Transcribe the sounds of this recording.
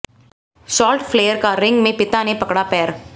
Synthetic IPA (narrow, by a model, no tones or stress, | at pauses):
ʃɔːlʈfʰleːjəɾkaɾɪ̃ŋɡmẽpɪt̪anepɐkɽapɛːɾ